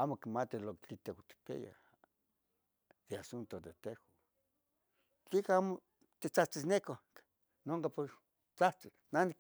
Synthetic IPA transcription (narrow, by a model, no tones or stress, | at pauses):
amokimat̪ilokt͡ɬit̪ehot̪i̥pḛja̰ | d̪easunt̪od̪et̪eho | t͡ɬikaamo | t̪it͡saht͡sisnekok | noŋkapoɾ | t͡saht͡si | nanik